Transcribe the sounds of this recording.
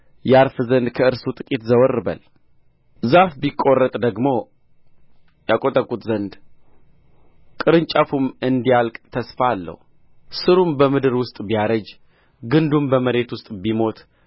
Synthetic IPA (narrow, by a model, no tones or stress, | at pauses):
jɛaɾfɨzənd̪kʰəɨɾsut̪ʼɨkʼit̪zəwərːɨbə̰l | zafbikʼːo̞rːət̪ʼd̪əɡmo̞ | jakʼot̪ʼəkʼut̪zənd̪ | kʼɨɾɨnt͡ʃʼafumɨnd̪ijalkʼt̪ʰəsfalːə̰hu | sɨɾumbəmɨd̪ɨɾwʊst̪ʼbijaɾəd͡ʒ | ɡɨnd̪umbəməɾe̞t̪wʊst̪ʼbimo̞t̪